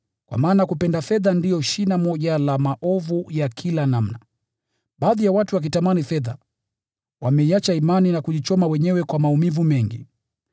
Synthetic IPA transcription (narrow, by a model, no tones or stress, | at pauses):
kwa̰maːnakupɛndafɛðandiɔʃinamɔʄalamaʔɔvujakʰilanam̩na | ɓaːðijawatuwak̬itamanifɛða | wamɛiat͡ʃaimaninakuʄit͡ʃɔmawɛɲɛwɛkwamaumivumɛŋɡḭ